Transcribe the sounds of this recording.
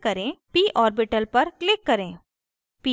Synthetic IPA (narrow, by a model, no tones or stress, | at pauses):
kɐɾẽːpiːʔɔːɾbɪʈəlpɐɾklɪkːɐɾẽː | pi